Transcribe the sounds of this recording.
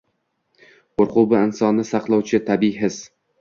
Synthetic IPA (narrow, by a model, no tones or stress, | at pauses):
qoɾqʊbɪɪnsɒnɪsɑqlˠɒwt͡ʃʰɪt̪ʰabɪɦɪs